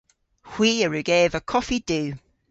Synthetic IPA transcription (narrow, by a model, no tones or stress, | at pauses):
hw̥iːəɹʉɡeːvəkʰɒfid̥ʉː